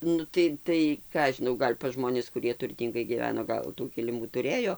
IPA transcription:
ˈnʊ tɐɪ tɐɪ ˈkɑː ɐʃ ʒʲɪˈnɐʊ ˈɡɐlʲ pɐzˈʒmoːnʲɪs kʊˈrʲiɛ tʊrʲˈtʲiːŋɡɐɪ ɡʲiːˈʋʲæːnoː ˈɡɐlˠ tuː kʲɪlʲɪˈmuː tʊˈrʲeːjoː

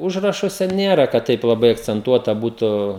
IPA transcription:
ˈʊʒrɐʃuɔsʲɛ ˈnʲeːrɐ kɐt ˈtɐɪp lˠɐˈbɐɪ ɐkt͡sʲɛnˈtuɔtɐ ˈbuːtʊ

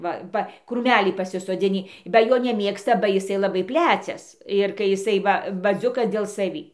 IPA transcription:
ˈʋɐ ˈʋɐ kruːˈmʲælʲiː pɐsʲɪsoːˈd͡zʲɪnʲiː bɐ ˈjoː nʲɛˈmʲeːkstɐ bɐ jɪˈsɐɪ lˠɐˈbɐɪ ˈpʲlʲæt͡sʲɛs ɪr kɐɪ jɪˈsɐɪ ˈʋɐ bɐˈzʲʊkɐs dʲeːlˠ sɐˈʋʲiː

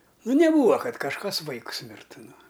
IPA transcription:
ˈnʊ nʲɛˈbuːʋɐ ˈkɐt kɐʃˈkɐs ˈʋɐɪkʊs ˈmʲɪrtʊ ˈnʊ

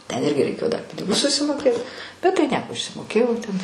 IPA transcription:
tʲɛn ˈɪrʲɡʲɪ rʲɛɪˈkʲeːjoː dɐr ˈpʲɪnʲɪɡʊs sʊsʲɪmoːˈkʲeːt bʲɛt tɐɪ ˈnʲiɛkoː ɪʃʲsʲɪmoːˈkʲeːjɛʊ tʲɛn

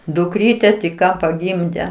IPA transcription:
dʊkˈrʲiːtʲɛ tʲɪk ˈkɑː pɐˈɡʲɪmʲdʲɛ

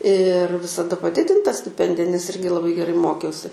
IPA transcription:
ɪr ʋʲɪsɐˈdɐ pɐˈdʲɪdʲɪntɐ sʲtʲɪˈpʲɛnʲdʲɪjɛ nʲɛs ˈɪrʲɡʲɪ lˠɐˈbɐɪ ɡʲɛˈrɐɪ ˈmoːkʲɛʊsʲɪ

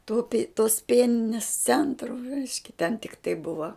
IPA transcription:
tʊ pʲɪ toːs ˈpʲiɛnʲɪnʲɪs ˈt͡sʲɛntrʊ ˈrʲɛɪʃʲkʲɛ tʲɛn tʲɪkˈtɐɪ ˈbʊʋɐ

